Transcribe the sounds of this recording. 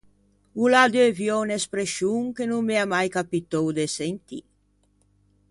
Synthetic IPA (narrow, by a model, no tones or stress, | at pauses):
ulad̪øvjɔnespɾeʃuŋkenummeamajkapit̪owd̪esent̪ḭ